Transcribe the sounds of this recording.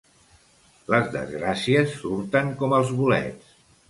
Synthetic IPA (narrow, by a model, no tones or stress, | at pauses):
ləzðə̰zɣɾasiəsːuɾt̪əŋkɔməlˠzβulɛ̰t͡s